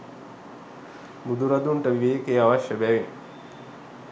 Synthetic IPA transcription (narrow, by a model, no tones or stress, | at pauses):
bud̪uɾad̪uɳʈəʋeːkeaʋaʃjəbæʋiŋ